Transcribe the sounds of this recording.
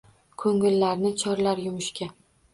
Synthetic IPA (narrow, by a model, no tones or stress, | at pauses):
kʰɵŋɪlːaɾnɪt͡ʃʰɒɾlaɾjʊmʊʃkʲa